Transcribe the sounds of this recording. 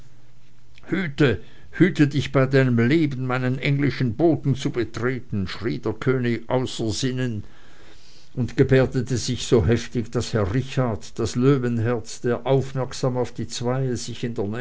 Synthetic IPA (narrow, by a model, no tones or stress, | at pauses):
hyːtə | hyːtədɪçb̥aɪdaɪnəmleːbən̩maɪnənʔɛŋlɪʃn̩boːtn̩t͡subətʁ̥eːtn̩ʃʁ̥iːdeːɐkʰøːnɪçʔaʊsɐzɪnən | ʊndɡ̥əbɛːɐdətʰəz̥ɪçsoːɦɛftɪçd̥ashɛɐʁɪçaɐtd̥asløːvənɦɛɐt͡sd̥eːɐʔaʊfmɛɐksaːmaʊfd̥iːt͡sv̥aɪəz̥ɪçɪndeːɐnɛ